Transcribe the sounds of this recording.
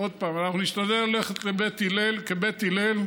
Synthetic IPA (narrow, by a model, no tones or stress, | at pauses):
od̪̚paːmanaχnuniʃt̪ad̪eloleχet̪lebet̪ilelkebet̪ilel